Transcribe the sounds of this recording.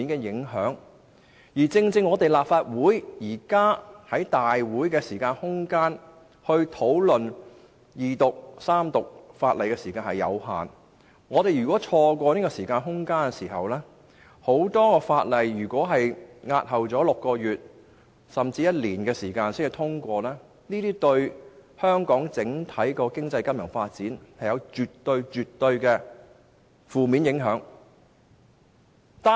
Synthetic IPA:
i˥nkɛ˧jɪ˨˥ŋɦœː˨˥ŋ | jiː˨˩t͡sɪ˧ŋt͡sɪ˧ŋːɔː˨˧t̪e˨jlaː˨p̚faː˧t̚wuː˨˥jjiː˨˩kaː˥hɐ˨˥jt̪aː˨jwuː˨˥jkɛː˧siː˨˩kaː˧nhʊ˥ŋkaː˥n | hɵ˧ɥt̪ʰo˨˥wlɵ˨n | jiː˨t̪ʊ˨k̚saː˥mt̪ʊ˨k̚faː˧t̚lɐ˨jkɛ˧siː˨˩kaː˧nhɐ˨jːɐ̰˨˧wɦa̰ː˨n | ŋɔː˨˧t̪e˨jɥyː˨kwɔː˨˥t͡ʃʰɔː˧kʷɔː˧niː˥kɔ˧siː˨˩kaː˧nɦʊ˥ŋkaː˥nkɛ˧siː˨˩hɐ˨wlɛː˥ | ho˨˥wt̪ɔː˥kɔː˧faː˧t̚lɐ˨jjyː˨˩kʷɔː˨˥ɦɐ˨jŋaː˧t̚hɐ˨wt͡sɔː˨˥lʊ˨kːɔː˧jyː˨t̚ | sɐ˨mt͡siː˧jɐ˥t̚liː˨˩nkɛː˧siː˨˩kaː˧nsɪ˥ɐ˧wt̪ʰʊ˥ŋkʷɔː˧lɛː˥ | niː˥t̪iː˥t̪ɵ˧ɥhœː˥ŋkɔː˨˥ŋt͡sɪ˨˥ŋt̪ʰɐ˨˥jkɔː˧kɪ˥ŋt͡sɐ˧jkɐ˥mjɐ˨˩ŋfaː˧t̚t͡siː˨˥nhɐ˨jɐ˨˧wt͡ʃyː˨tt̪ːɵ˧ɥt͡ʃyː˨t̪ːɵ˧ɥkɛː˧ | fuː˨miː˨˧˥njɪ˨˥ŋɦœː˨˥ŋ | t̪a

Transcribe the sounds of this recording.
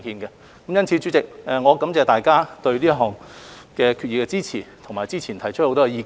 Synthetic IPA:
kiː˧nkɛ˧ | kɐ˨˥mjɐ˥nt͡sʰiː˨˧t͡sy˨˥t͡sɪ˨k̚ʔɛː˨˩ŋɔː˨˧kɐ˨˥mt͡sɛː˨˧t̪aː˨˩jkaː˥t̪ɵ˧ɥliː˥ɦɔː˨ŋkɛː˧kʰy˧t̚jiː˨˩kɛ˧t͡siː˥t͡sʰiː˨˩t̪ʰʊ˨ŋmaː˨˩jt͡siː˥t͡sʰiː˨˩nt̪ʰɐ˨˩jt͡ʃʰtho˧˥wt̪ɔː˥˧jiː˧

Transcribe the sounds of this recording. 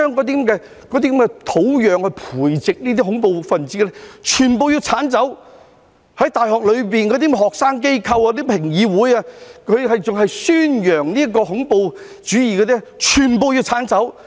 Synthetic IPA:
œː˥˩ŋkɔː˨˥d̪i˥kmkɛː˧ | kɔː˨˧d̪iː˥kɐ˧˦mkɛ˧t̪ʰo˨˥wjœː˨˧ŋhɵ˧ɥpʰuː˨˩jt͡sɪ˨k̚niː˥t̪iː˥ɦʊ˨˥ŋpo˧wfɐ˨nt͡siː˨˧˥lɛ˥t͡ʃʰyː˨˩npo˨˧wjiː˧wt͡sʰaː˨˥nt͡sɐ˨˥w | hɐ˨˥jt̪aː˨jɦɔː˨k̚lɵ˨˧ɥp̬iː˨nkɔː˨˧d̪i˥m˧ɦɔː˨k̚saː˥ŋk̬e˥jkʰɐ˧waː˧ɔ˥t̪i˥pʰɪ˨˩ŋjiː˨˧wuː˨˥jaː˧kʰɵ˨˧ɥhɐ˨jt͡sʊ˨ŋɦɐ˨jsyː˥njœː˨˩ŋniː˥ɐ˥kɔː˧hʊ˨˥ŋpo˧w | t͡ʃyː˨˥jiː˨˧kɔ˧d̪i˥t͡ʃʰyː˨˩npo˧wji˧wt͡sʰaː˨˥nt͡sɐ˨˥w

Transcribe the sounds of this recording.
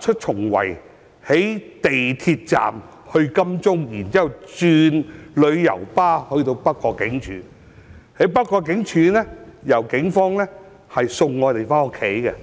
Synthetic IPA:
t͡ʃʰɵ˥t̚t͡ʃʰʊ˨˩ŋwɐ̰˨˩j | he˨˥jt̪e˨jt̪ʰi˧t̚t͡sa̰ː˨m | hɵ˧ɥkɐ˥mt͡sʊ˥ŋjiː˨˩nt͡siː˥hɐ˨wt͡syː˧nlɵ˨˧ɥjɐ̰˨˩wpaː˥hɵ˧ɥt̪o˧wpɐ˥kːɔː˧kːɪ˨˥ŋt͡ʃʰy̰ː˨˥ | he˨˥jpɐ˥kːɔː˧k̬ːɪ˨˥ŋt͡ʃʰyː˨˧˥nɛ˥jɐ˨˩wkɪ˨˥ŋfɔː˥ŋlɛː˥ | hɐ˨jsʊ˧ŋŋːɔː˨˧t̪e˨˩jfɔː˥ŋʊ˥kʰːe˨˥jkɛ˧

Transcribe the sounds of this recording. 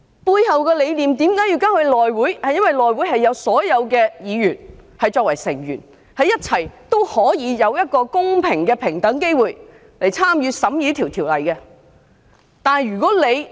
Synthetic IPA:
puː˧jhɐ˨wkɛː˧le˨˧jliː˨mt̪iː˨˥mkaː˨˥ji˧wkaː˥ŋhɵ˧ɥlɔː˨jwuː˨˥jhɐ˨jɐ˥nwɐ˨jlɔː˨jwu˨˥jhɐ˨jːɐ˨˧wsɔː˨˥jɐ˨˧wkɛː˧jiː˨˧jyː˨˩nhɐ˨jt͡ʃɔː˧k̚wɐ˨˩jsɪ˨˩ŋjyː˨˩n | hɐ˨jːɐ˥t̚t͡sʰɐ˨˩jt̪o˥whɔː˨˥jiː˨˧jɐ˨˧wjɐ˥t̚kɔː˧kʊ˥ŋpʰɪ˨˩ŋkɛː˧pʰɪ˨˩ŋt̪ɐ˨˥ŋke˥jwuː˨j | le˨˩jt͡sʰaː˥mjyː˨˧sɐ˨˥mjyː˨˥t̪ʰiː˨˩wt̪ʰi˨˩wlɐ˨˩jkɛ˧ | t̪aː˨˧nhɐ˨jɥyː˨˩kɔː˨˥le˨˧j

